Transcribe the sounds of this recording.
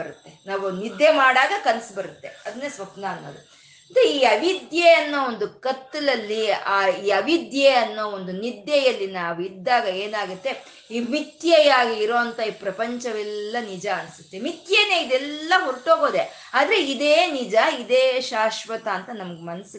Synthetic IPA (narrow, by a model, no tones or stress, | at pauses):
ɐɾut̪ːe̞naːʋunid̪ːjemaːɽaːɡɐkɐnɐsbɐɾut̪ːe̞ɐd̪ɐnːeːsʋɐpnɐːnːoːd̪u | nd̪eiːɐʋid̪jeɐnːoond̪ukɐt̪ːɐlɐlːiaːiːɐʋid̪jeɐnːoond̪unid̪jejɐlːinaːʋuid̪ːaːɡɐeːnaːɡut̪ːe̞ | iːmit̪jɐjaːɡiiɾo̞ːɐnt̪ɐiːpɾɐpɐɲt͡ʃɐʋɛlːɐnid͡ʒɐɐnsu̥t̪ːemit̪jeːneːid̪ɛlːɐɦuɾʈoːɡo̞ːd̪e | aːd̪ɐɾe̞id̪eːnid͡ʒɐid̪eːʃaːʃʋɐt̪ɐːnt̪ɐnɐmɐɡemɐnɐsu